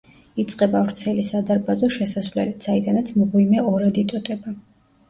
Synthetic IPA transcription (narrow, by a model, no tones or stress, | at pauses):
it̪sʼqʼɛbavɾt̪sʰɛlisad̪aɾbazɔʃɛsasvlɛ̰lit̪said̪anat̪sʰmʁwimɛɔɾad̪it̪ʼɔt̪ʼɛba